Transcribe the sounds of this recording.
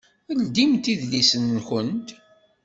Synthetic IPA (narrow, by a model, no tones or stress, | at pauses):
əld̪imt̪iðlisənçənt̪